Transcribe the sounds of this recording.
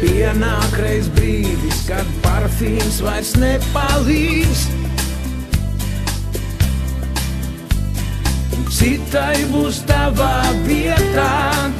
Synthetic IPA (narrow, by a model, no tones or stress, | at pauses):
piɛnaːkɾɛjsbɾiːd̪iskad̪paɾfiːmsvajɾsnɛpaliːs | sit̪ajbuːst̪avaːviɛt̪aː